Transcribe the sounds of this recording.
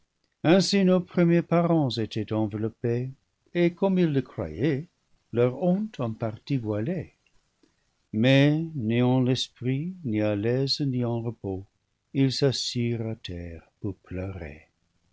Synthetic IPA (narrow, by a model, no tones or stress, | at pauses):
ɛ̃sinopʁəmjepaʁɑ̃zetʰɛtɑ̃vəlɔpe | ekɔmilːəkʁwa̰je | lœʁɔ̃tʰɑ̃paʁtivwale | mɛneɑ̃lɛspʁinialɛzniɑ̃ʁəpo | ilsasiʁatʰɛːʁpuʁpløʁḛ